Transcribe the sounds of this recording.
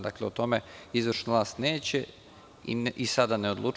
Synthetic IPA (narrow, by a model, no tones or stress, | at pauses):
d̪akleot̪o̞meizʋəɾʃnaʋlˠaːst̪ne̞ːt͡ɕe | ʔisad̪aneo̞d̪lˠuːt͡ʃ